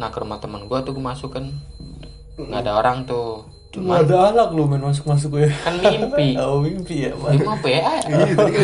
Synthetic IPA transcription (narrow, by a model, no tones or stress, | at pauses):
nahkəɾumaht̪əmənɡuat̪ukəmasukan | ŋɡaːdaoɾaŋt̪u | t͡ʃumaadaalak̚lomɛnmas̬ʊk̚mas̬ʊk̬akanwimpiowimpija̰maimapeaʔa